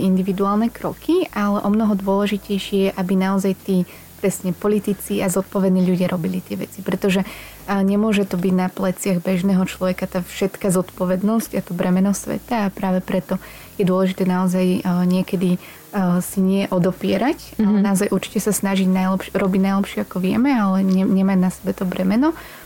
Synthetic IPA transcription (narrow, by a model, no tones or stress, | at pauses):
ind̪iʋid̪uaːlˠnɛkɾɔkiʔalɛʔɔmnɔɦɔd̪ʊɔlɛʒicɛjʃɪɛjɛʔabinaɔzajt̪iː | pɾɛsɲɛpɔlit̪it͡siazɔt̪̚pɔʋɛd̪niːʎuɟɪaɾʔɔbilit̪ɪɛʋɛ̰t͡sipɾɛt̪ɔʒɛ | ɲɛmʊɔʒɛt̪ɔbiɟnaplɛt͡sɪaɣbɛʒnɛːɦɔt͡ʃlɔʋɛkat̪aːfʃɛt̪kazɔt̪pɔʋɛd̪nɔscat̪ubɾɛmɛnɔsʋɛ̰t̪aːpɾaːʋɛpɾɛt̪ɔ | jɛd̪ʊɔlɛʒit̪ɛːnaɔzajɲɪɛkɛd̪i | siɲɪɛʔɔd̪ɔpɪɛɾacnaɔzajʔuɾt͡ʃi̥cɛsasnaʒiɟnajlɛpʃɾɔbiɟnajlɛpʃɪɛakɔʋɪɛ̰mɛalɛɲɛɲɛmaɟnasɛbɛt̪ɔbɾɛmɛnɔ